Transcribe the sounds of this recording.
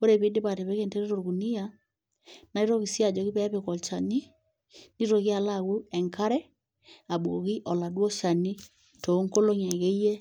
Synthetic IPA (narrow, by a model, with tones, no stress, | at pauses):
o˦ɾe˨βe˨˦de˦βa˨te˨βɛ˦ɣe˦nte˦ɾe˦ɾo˨ɣu˨ni˦ja | na˨i˦ɾo˦ɣi˨sja˨d͡ʒɔ˨ɣi˦βɛ˦βekɔ˨t͡ʃa˨ni˦ | ni˦ɾo˨ɣi˦a˨laɣu˦ɛ˨ŋka˦ɾɛ˦ | a˨bwo˨ɣi˦ʔɔ˨la˨dwɔ˦ʃa˨ni˦ | to˨˦ŋko˦lo˦ɲɛ˨ɣɛ˦i˦ɛ˦